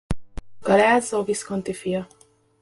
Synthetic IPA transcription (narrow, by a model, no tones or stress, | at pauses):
ɡ̥ɒlaːzoviskont̪ifijɒ